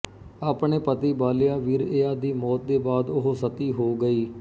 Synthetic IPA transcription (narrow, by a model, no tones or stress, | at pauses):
aːpɳeːpət̪iːbaːlɪjaːʋiːɾeːaːd̪iːmɔːt̪̚d̪eːbaːd̪ʊɦsət̪iːɦoːɡəiː